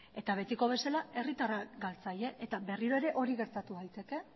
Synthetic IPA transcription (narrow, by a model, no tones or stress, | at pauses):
e̞t̪aβ̞e̞t̪iko̞β̞e̞salae̞rit̪araɡalt͡saje̞ʔːt̪abe̞riɾo̞e̞ɾe̞ʔo̞ɾiɣe̞ɾt̪at̪uajt̪e̞ke̞